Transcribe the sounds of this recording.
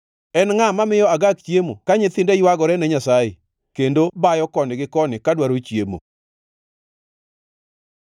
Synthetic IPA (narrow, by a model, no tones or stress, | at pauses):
ɛnŋamamɪjɔaɡakt͡ʃjemokaɲɪt̪ɪndɛjwaɡɔɾɛnɛɲasaje | kendobajɔkɔndɪɡɪkɔnɪkadwaɾot͡ʃjemo̰